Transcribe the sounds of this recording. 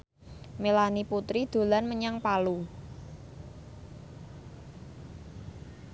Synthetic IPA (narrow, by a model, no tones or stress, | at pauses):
melaniput̪ɾid̪̥o̤lanməɲaŋpalu